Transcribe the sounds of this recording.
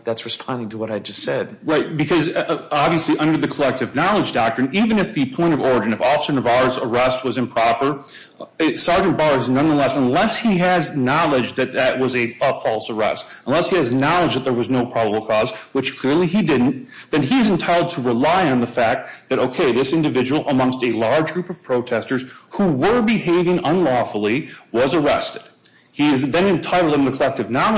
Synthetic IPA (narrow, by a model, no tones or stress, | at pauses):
ðætsɹɨspʰɑ̃ndɪ̃ŋtʰəwʌɾaɪd͡ʒʌstsɛd̥ɹaɪt̚b̥ɨkʰʌzɑbviɨsliʔʌ̃ndə˞ðɨkʰəlɛk̚tɨvnɑlˠəd͡ʒdɑk̚tɹ̥ɨ̃nivɨ̃nɨfðɨpʰɔ̃ɪ̃ɾ̃ʌvɔɹɨd͡ʒɨ̃nʌvɔfsə̃˞nʌvɑɹzə˞ɛst̚wʌzɨ̃mpʰɹ̥ɑpə˞ | ɪsɑɹd͡ʒɨ̃nb̥ɑɹɨznʌ̃nðəlɛsə̃nlɛshiɨznɑlˠɪd͡ʒðɨt̪̚ðɨʔ̚wʌzɨʌfɔlˠsə˞ɛ̰stə̃n̩lɛshiɨznɑlˠəd͡ʒðɨt̪̚ðə˞wʌznoʊpʰɹ̥ɑbəbl̩ˠkʰɔzwət͡ʃkʰl̥ɪɹlˠiidɪdⁿn̩tðɨ̃niɨzɨ̃ntʰaɪɾl̩ˠd̚tʰəɹɨlaɪɨ̃nðəfæk̚t̪̚ðɨɾoʊkʰeɪðɪsɪ̃ndɨvɪd͡ʒɨwl̩ˠʔəmʌ̃ŋstɨlɑɹd͡ʒɡɹupʌv̥pʰɹ̥oʊtʰɛstə˞z̥huwə˞bɨɦeɪvɪ̃ŋə̃nlɔfl̩ˠiwʌzə˞ɛ̰stɨd̥ | iɨzðɨ̃nɨ̃ntʰaɪɾl̩ˠdɨ̃nðɨkʰəlɛk̚tɨvnɑ